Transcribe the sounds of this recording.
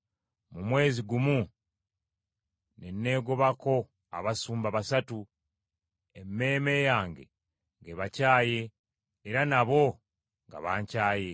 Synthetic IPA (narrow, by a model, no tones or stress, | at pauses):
mumwe̞ːziɡumu | ne̞nːe̞ːɡoβako̞ | a̰βasuːmbaβasatu | e̞mːe̞ːme̞jaːŋɡe̞̰ | ŋɡeβacaːje̞ː | ɾanaβo̞ | ŋɡa̰βaːɲcaːje̞